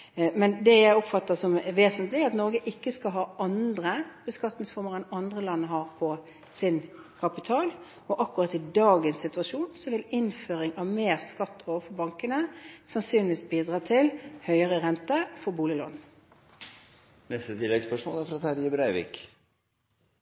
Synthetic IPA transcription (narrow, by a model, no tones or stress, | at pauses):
mɛnd̪ɛjæɪɔpfɑt̪ːəsɔmʋeːsənt̪lɪɑt̪nɔɾɡəʔɪkːəskɑɦɑːʔɑnd̪ʁəbəskɑt̪nɪŋsfɔʁməʁɛnɑnd̪ʁəlɑnːəɦɑːʁpʰɔ | sɪnkʰɑpɪt̪ʰɑːl | ɔʔɑkːʊʁɑt̪ɪd̪ɑːɡənsɪt̪ʉɑʃuːnsɔʋɪlɪnføːʁɪŋɑʋmeːʁskɑt̪ːoːʋəfɔʁbɑŋkənəsɑnsyːnɪʋiːsbiːd̪ʁɑːt̪ʰɪlhœʏəʁəʁɛnt̪əfɔʁbuːlɪlɔ̰n̩ | nɛst̪ət̪ʰɪlːɛɡspœʂmoːlæɾfɾɑt̪ʰæɾjɛbɾæɪʋɪ̰ːk